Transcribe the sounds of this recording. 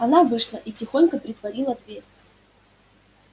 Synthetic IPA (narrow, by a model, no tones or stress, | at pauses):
ɐnavɨʂlˠəʔitʲɪxonʲkəpɾʲɪt̪vɐɾʲilˠəd̪vʲeɾʲ